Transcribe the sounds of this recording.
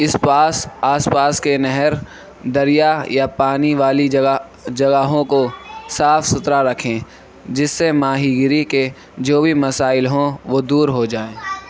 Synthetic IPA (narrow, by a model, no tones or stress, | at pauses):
ɪspaːsaːspaːskenɛɦɛɾ | d̪ɐɾijajapaːniʋaːli | d͡ʒɐɡaɦõkosaːfsʊt̪ɾaɾɐkʰẽː | d͡ʒɪsːemaːɦiːɡɪɾike | d͡ʒoːbʱimɐsaːɪlɦõʋod̪uːɾɦod͡ʒaːeː